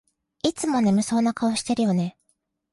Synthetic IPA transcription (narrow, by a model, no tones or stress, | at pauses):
it͡sɨmo̞ne̞mɯ̟so̞ːnakaoɕi̥t̪e̞ɾɯ̟jo̞ne̞